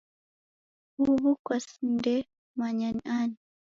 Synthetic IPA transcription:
uβukwasndɛ | maɲaniani

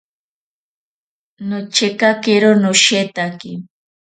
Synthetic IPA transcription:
not͡ʃekakeɾonʊʃet̪aki

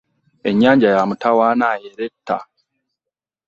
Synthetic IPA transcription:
e̞ɲːaːɲɟajamutawaːnaːjeɾetːa̰

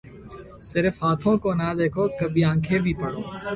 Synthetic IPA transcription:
sɪɾfɦaːt̪ʰõkonɐd̪eːkʰokɐbʱiãːkʰebʱipɐɽoː

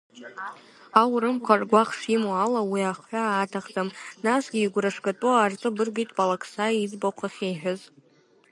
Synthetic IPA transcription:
awɾɨmkʷʰarɡʷaχʂimoalawiaχħʷaːtʰaχd͡zʼamnasɡʲiːɡʷraʂkʼatʼuart͡sʷʼɨbɨrɡijtʼpʼalakʰsaid͡zboqʷʰaχʲejħᶣaz

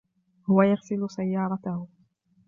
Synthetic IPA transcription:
hʊwajaɣsɪlʊsajːɑːɾˤɑt̪ahʊ

